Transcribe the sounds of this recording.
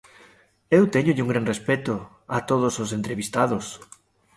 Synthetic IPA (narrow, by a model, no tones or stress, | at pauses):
ewt̪eɲoʎɪuŋɡɾanrespet̪ʊ | at̪oð̞ososent̪ɾeβist̪aðʊs